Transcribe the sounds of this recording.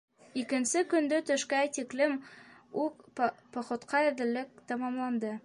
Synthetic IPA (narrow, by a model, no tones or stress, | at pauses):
ikɘ̆nsɘkɵ̆nd̪ɵt̪ɵ̆ʃkæjt̪iklɘmukpŏχŏt̪qɑɘɾd̪ɘ̆lːɘk̚t̪ɑmɑmlˠɑnd̪ɤ